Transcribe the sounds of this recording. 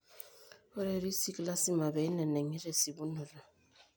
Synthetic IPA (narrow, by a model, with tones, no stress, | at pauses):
ɔ˦ɾɛ˨ɾi˦si˦kla˦si˦ma˨bɛ˨i˦nɛ˨nɛ˨ŋi˦ɾɛ˨si˨bu˦nu˨la˨